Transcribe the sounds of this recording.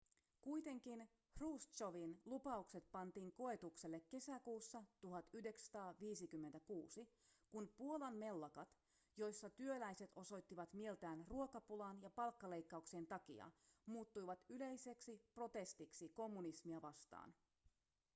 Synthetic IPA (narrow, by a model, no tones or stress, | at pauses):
kujt̪e̞ŋk̟in | hruːst̪t͡ʃoʋinlupɑukse̞t̪̚pɑnt̪iːŋko̞e̞t̪ukse̞lːe̞kːe̞sækuːsːɑt̪uɦɑt̪yhde̞ksɑ̥t̪ɑːʋiːsikymːent̪ækuːsikunpuolɑnme̞lːɑkɑt̪ | jo̞jsːɑt̪yølæjse̞t̪o̞so̞jt̪ːiʋɑt̪mie̞lt̪æːnruo̞kɑpulɑnjɑpɑlkːɑle̞jkːɑukseːnt̪ɑkḭɑ̰muːt̪ːujʋɑt̪yle̞jse̞ksipro̞t̪e̞st̪iksiko̞mːunismiɑʋɑst̪ɑ̰ːn